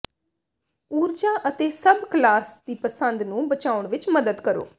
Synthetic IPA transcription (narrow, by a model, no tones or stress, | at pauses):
uːɾd͡ʒaːʔət̪eːsəbklaːsd̪iːpəsənd̪nũːbət͡ʃaːʊɳʋɪt͡ʃməd̪əd̪kəɾo̰ː